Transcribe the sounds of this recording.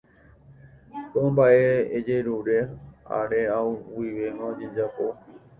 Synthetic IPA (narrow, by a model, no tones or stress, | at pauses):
t̪õmbaʔe̞ːd͡ʒeɾuɾea̰ɾeãuwiʋeŋod͡ʒed͡ʒapo